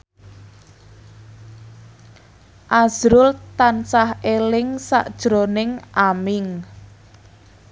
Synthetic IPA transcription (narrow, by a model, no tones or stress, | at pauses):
ʔaz̥ɾʊlt̪ansahelɪŋsa̰ʔd̥ʒ̥ɾonɪŋʔamɪŋ